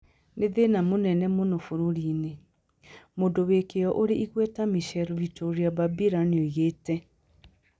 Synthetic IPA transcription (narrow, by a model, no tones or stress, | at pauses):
neðenamonɛnɛmonofoɾoɾiːne | mondowekejɔʔoɾeiɣwɛtamiʃɛlβitoɾiababiɾanoiɣeːtɛ